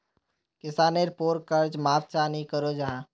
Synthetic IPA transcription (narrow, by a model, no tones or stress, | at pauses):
kɪsaːneɾpoːɾkəɾd͡ʒmaːʋt͡ʃanikəɾod͡ʒaɦã